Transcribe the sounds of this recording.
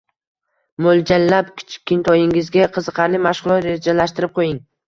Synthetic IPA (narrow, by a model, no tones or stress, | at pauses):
mold͡ʒalːapkʲʰɪ̥t͡ʃʰɪ̥kʲːɪnt̪ʰɒjɪŋɪzɡʲaqʰɨzɨqʰɑɾlɪmaʃʁʊlˠɒt̪ɾed͡ʒalaʃt̪ɪɾɪp̚qʰojɪŋ